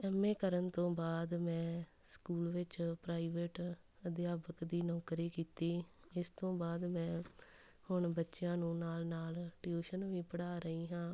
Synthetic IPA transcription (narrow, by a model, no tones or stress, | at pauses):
ɛːmeːkəɾənt̪õːbaːd̪mɛ̃ː | skuːlʋɪt͡ʃpɾaːiːʋeːʈ | əd̪ɪjaːbəkd̪iːnɔ̃ːkɾiːkiːt̪iː | ɪst̪õːbaːd̪mɛ̃ː | hʊɳbətːʃɪjãːnũːnaːlnaːlʈjuːʃənʋĩːpəɽaːɾəiːɦãː